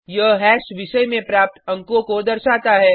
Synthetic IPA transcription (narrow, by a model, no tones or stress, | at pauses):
jɐɦɛːʃʋɪʃəjmẽpɾaːp̚t̪ɐ̃ŋkõkod̪ɐɾʃaːt̪aɦɛː